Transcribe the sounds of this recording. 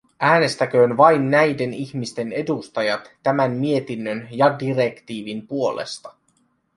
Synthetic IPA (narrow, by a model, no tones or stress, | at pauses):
æːne̞st̪æk̟ø̞ːnʋɑjnːæjde̞niçmist̪e̞ne̞dust̪ɑjɑt̪ːæmænmie̞t̪inːønjɑdire̞kt̪iːʋinpuo̞lḛst̪ɑ̥